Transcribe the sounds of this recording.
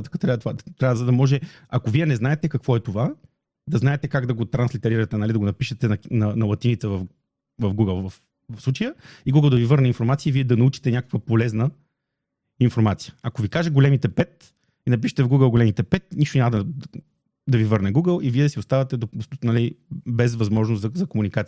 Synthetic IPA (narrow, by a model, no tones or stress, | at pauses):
t̪kat̪ɾʲavt̪vat̪ɾʲavəzɐd̪ɐmɔʒɛ | ɐkoviɛnɛznaɛt̪ɛkɐkvɔɛt̪ova | d̪ɐznaɛt̪ɛkaɡd̪ɐɡot̪ɾɐnslʲit̪ɛɾiɾət̪ɛnɐlʲid̪ɐɡonɐpiʃɛt̪ɛnɐnɐnɐlˠɐt̪init̪səvɐf | vɐfɡuɡəlˠvf | vɐfslˠut͡ʃəjəiɡuɡəlˠd̪ɐvivɤɾnɛinfoɾmat̪siəiviɛd̪ɐnɐut͡ʃi̥t̪ɛnʲakə̥kvəpolɛznə | infoɾmat̪sijə̥ɐkovikaʒɛɡolɛmit̪ɛpɛt̪̚ | inɐpiʃɛ̥t̪ɛvɡuɡəlˠɡolɛmit̪ɛpɛt̪̚niʃt̪onʲaməd̪ə | d̪ɐvivɤɾnɛɡuɡəlˠiviɛd̪ɐsiʊst̪avɐt̪ɛd̪ot̪nɐlibɛzvɐzmɔʒnʊst̪zɐzɐkomunikat̪s